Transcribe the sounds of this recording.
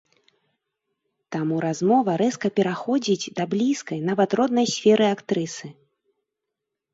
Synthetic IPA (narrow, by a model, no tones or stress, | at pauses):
t̪amuɾazmɔvɐɾɛskɐpʲɛɾaxɔd͡zʲid͡zʲd̪ablʲiskɐjnavɐt̪rɔd̪nɐjsʲfʲɛɾɨakt̪ɾɨsɨ